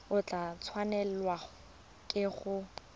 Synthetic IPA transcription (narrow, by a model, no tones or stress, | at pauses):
ʊt͡ɬʼat͡sʰwanɛlwa | kʼɪɣʊ